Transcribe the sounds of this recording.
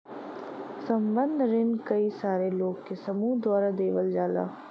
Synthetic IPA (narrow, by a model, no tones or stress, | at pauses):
sɐmbənd̪ʱɾɪnkɐisaːɾeloːɡkesɐmũːd̪waːɾad̪eːʋəld͡ʒaːla̰ː